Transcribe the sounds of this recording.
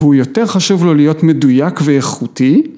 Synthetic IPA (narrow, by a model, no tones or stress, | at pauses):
hujo̞teʁχaʃuvlo̞lijo̞tmedujakveeχuti